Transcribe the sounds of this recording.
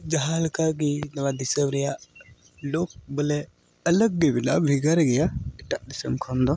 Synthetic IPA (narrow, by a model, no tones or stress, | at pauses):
d͡ʒaɦalkaɡinabadisəmɾja | lok̚bəle | aləɡːebina̰bɾiɡaɾɡijaitaʔdisəmkʰond̪ɔ